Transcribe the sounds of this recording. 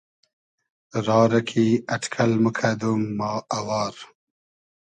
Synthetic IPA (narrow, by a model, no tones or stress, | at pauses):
ɾɑːɾɐkʰiɐʈkʰɐlməkʰad̪umːɑːʔɐwɑːɾ